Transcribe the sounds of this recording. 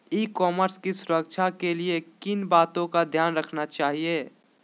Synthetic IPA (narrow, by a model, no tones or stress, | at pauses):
ikɔːməɾskisʊɾəkt͡ʃʰakeliekɪnbaːt̪õkad̪ʱjaːnɾəkʰnat͡ʃaːɦieː